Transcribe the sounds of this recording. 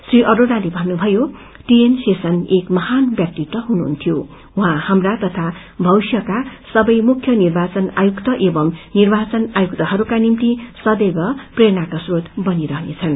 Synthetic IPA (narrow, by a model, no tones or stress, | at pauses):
sriʔʌɾoɽalebʱʌnːubʱʌjo | ʈiensesʌnekmʌhanbjak̚t̪it̪ʌɦunuɦːnt̪ʰjo | ũɦãhamrat̪ʌt̪ʰa | bʱʌwsjʌkasʌbʌjmukʰjʌnirbat͡sʌna̰jukt̪ʌʔebʌmnirbat͡sʌnajukt̪ʌɦʌɾukanimt̪isʌd̪eɡʌpreɾnakasrot̪bʌniɾʌɦnet͡sʰʌn